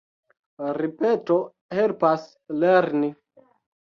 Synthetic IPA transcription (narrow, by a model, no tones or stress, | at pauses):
ɾipeto | helpas | leɾni